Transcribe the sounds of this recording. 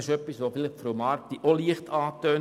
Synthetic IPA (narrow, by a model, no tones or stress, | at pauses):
ɪʃœpːisʋofɪlɪχfɾomɑɾtiʔoliəχtʰɑːt̪øːn